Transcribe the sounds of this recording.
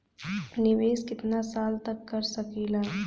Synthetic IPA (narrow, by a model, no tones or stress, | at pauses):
nɪʋeːskɪt̪nasaːlt̪ɐkːɐɾsɐkilaː